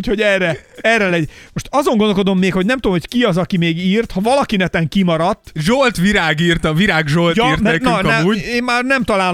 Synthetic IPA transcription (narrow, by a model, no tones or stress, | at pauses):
cho̞ɟɛrːɛɛrːɛlɛɟmo̞ʃt̪ɒzoŋɡond̪olko̞d̪o̞mːeːkho̞ɟnɛmt̪omhockiɒzɒkimeːɡiːrt̪hɒvɒlɒkinɛt̪ɛŋkimɒɾɒt̪ːʒolt̪ʋiɾaːɡiːrt̪ɒʋiɾaːɡʒolt̪jirɛɛnnk̪ɛuːeːmmaːrnɛmt̪ɒlaːl